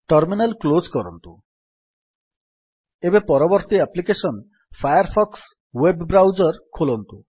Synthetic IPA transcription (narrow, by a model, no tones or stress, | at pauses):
ʈɔɾminalkloskɔɾɔ̰nt̪u | ebepɔɾɔbɔɾt̪iaplikesɔn | fʰajaɾpʰɔks | webːɾawd͡ʒɔɾkʰolɔnt̪u